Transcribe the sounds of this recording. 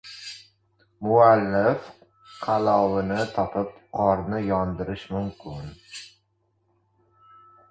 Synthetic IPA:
mʊalːɪf | qʰɑlɒwɪnɪt̪ʰɒpʰɪpqʰɒɾnɪjɒnd̪ɪɾɪʃmʊmkʲʰɪn

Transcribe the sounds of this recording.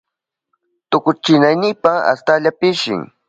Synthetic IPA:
t̪ʊkʊt͡ʃɪnajnɪpaa̰st̪aʎapɪʃɪ̰ŋ

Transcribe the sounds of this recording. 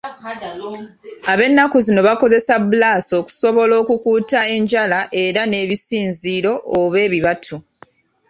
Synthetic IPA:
aβe̞nːakuzino̞βako̞ze̞sabulaːso̞ːku̥so̞βo̞lo̞ːkukuːtae̞ɲɟalaʔe̞ɾane̞ːβisiːnziːɾo̞ʔːβe̞ːβiβatʰu

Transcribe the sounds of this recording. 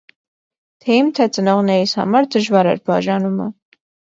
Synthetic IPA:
t̪ʰɛimt̪ʰɛt͡sənɔʁnɛɾishɑ̰mɑɾd̪əʒvɑɾɛ̰ɾbɑʒɑnumə

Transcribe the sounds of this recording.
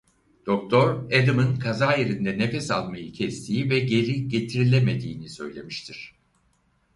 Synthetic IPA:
d̪̥o̞k̚t̪ʰo̞ɾed̪ɯmɯnkʰazaːjeɾind̪ɛnefɛsa̰lˠmajɯcʰɛst̪ʰijivɛɟe̞ɾiɟe̞t̪ʰiɾilʲeme̞d̪ḭːnisø̞̰jlʲe̞̰miʃt̪ʰiɾ̥

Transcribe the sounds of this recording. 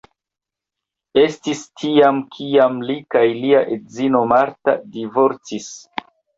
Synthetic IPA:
e̞stistʰiamkʰiamlikajliaʔedzino̞maɾta̰divo̞ɾt͡sis

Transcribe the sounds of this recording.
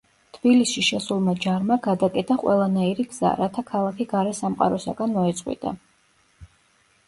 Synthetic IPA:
t̪ʰbilisiʃɛsulˠmad͡ʒaɾmaɡad̪akʼɛt̪ʰʼaqʼwʔɛ̰lˠanaiɾiɡz̥a̰ɾat̪ʰakʰalˠakʰiɡaɾɛsamqʼa̰ɾɔsa̰ɡanmɔɛt̪sʼqʼwḭd̪a̰

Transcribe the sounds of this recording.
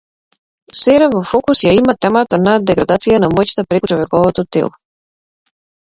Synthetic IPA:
sɛɾavɔfɔkusjaimat̪ɛmat̪anad̪ɛɡɾad̪at̪sijanamɔjt͡ʃt̪apɾɛkut͡ʃɔvɛkɔvɔt̪ot̪ɛ̰lˠɔ

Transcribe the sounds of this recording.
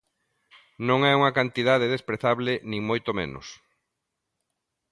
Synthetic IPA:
nõŋɛuŋɐkant̪iðaðɪðespɾeθaβlɪnĩŋmojt̪omḛ̃nʊ̰s

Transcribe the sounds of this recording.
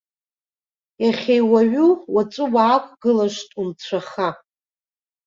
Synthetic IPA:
jaχʲejwaɥuwat͡sʷʼʊwaːkʷʼɡɨlaʃtʼumt͡sʷʰaχa

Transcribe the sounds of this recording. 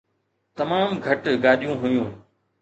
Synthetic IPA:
t̪ɐmaːmɡʱəʈɡaːɗijũːɦʊjũː

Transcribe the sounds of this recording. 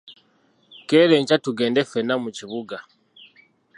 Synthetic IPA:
keɾeɲcatuɡe̞ːndefenamuciβuɡa

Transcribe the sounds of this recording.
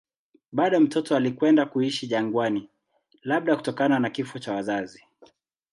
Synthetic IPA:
ɓaɗɔm̩tɔtɔalikwɛndakuiʃiʄaŋɡwani | laɓ̚ɗaku̥tɔkananakifɔt͡ʃawazazi

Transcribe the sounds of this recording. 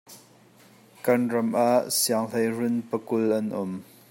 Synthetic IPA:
kɐnrɐmʔaʔsiaŋlɐjrʊnpəkʊlʔɐnʔɔm

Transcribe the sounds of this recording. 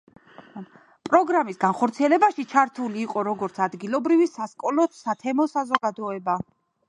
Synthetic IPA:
pʼɾɔɡɾamisɡanχɔɾt̪sʰiɛlɛbaʃit͡ʃʰaɾt̪ʰuliːqʼɔɾɔɡɔɾt̪sʰad̪ɡilˠɔbɾivisaskʼɔlɔsat̪ʰɛmɔsazɔɡad̪ɔɛba

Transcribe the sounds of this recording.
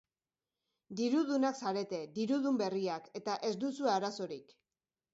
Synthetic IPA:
d̪iɾuðunaksaɾe̞t̪e̞d̪iɾuðumbe̞riake̞t̪aʔe̞zd̪usuaɾaso̞ɾik

